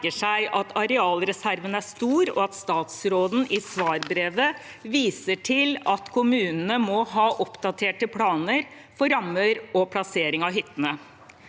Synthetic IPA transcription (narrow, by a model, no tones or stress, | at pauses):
əʂæɪʔɑt̪ʰɑɾɛɑːlɾɛsæɾʋənæʂt̪uːɾɔ̰ɑt̪st̪ɑːt̪sɾoːd̪n̩ʔɪsʋɑːɾbɾeːʋə | ʋiːsəʈʰɪlɑt̪kʰʊmʉːnənəmɔɦɑːʔɔpd̪ɑt̪ʰeːʈəpʰɽɑːnəɾ | fɔɾɑmːəɾɔpʰlɑseːɾɪŋɑɦʏt̪ːənə